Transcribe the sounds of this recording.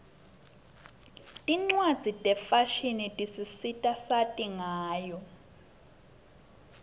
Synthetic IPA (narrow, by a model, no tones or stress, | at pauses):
tʼiŋ͡ǀwad̥d͡z̥ʱitʼɛfaʃinitʼisisitʼasatʼiŋaːjɔ